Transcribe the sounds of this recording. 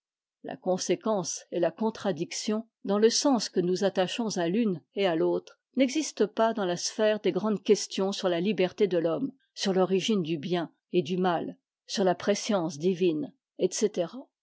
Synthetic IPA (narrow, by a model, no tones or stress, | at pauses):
la̰kɔ̃sekɑ̃selakɔ̃t̪χad̪iksjɔ̃ | d̪ɑ̃ləsɑ̃skənuzat̪aʃɔ̃zalynealot̪χ | nɛɡzist̪əpad̪ɑ̃lasfɛʁd̪eɡʁɑ̃d̪kʲɛst̪jɔ̃syʁlalibɛʁt̪ed̪əlɔm | syʁlɔʁiʒind̪ybjɛ̃ | ed̪ymal | syʁlapχesjɑ̃sd̪ivin | ɛt̪set̪eʁa